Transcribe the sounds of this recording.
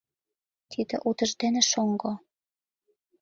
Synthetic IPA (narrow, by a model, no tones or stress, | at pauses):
t̪ʰid̪ḛ̆ʔut̪ɤ̆ʒd̪enĕʃoŋɡo